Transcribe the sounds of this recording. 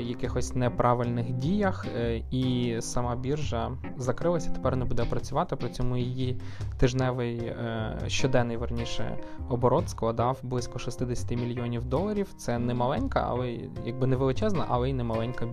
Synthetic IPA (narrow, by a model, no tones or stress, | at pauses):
jɐkɪxɔsʲnɛpɾɑʋɪlʲnɪxdʲijɐxisɐmɑbʲirʒɐ | zɐkɾɪlˠɐsʲɐt̪e̥pɛrnɛbud̪ɛpɾɐt͡sʲʊʋɑt̪ɪpɾɪt͡sʲɔmujijit̪ɪʒnɛʋɪj | ʃt͡ʃɔd̪ɛnːɪjʋɐrnʲiʃɛ̰ɔbɔɾɔt̪sklˠɐd̪ɑwblˠɪsʲkɔʃɪst̪ɪd̪esʲɐ̥t̪ɪmʲilʲjiɔnʲiwd̪ɔlˠɐɾʲiwt̪sɛnɛmɐlˠɛnʲkɐ̰ɐ̰lˠɛ | jɐɡ̚bɪnɛʋelˠɪt͡ʃɛznɐ̰ʔɐ̰lˠɛinɛmɐlˠɛnʲkɐ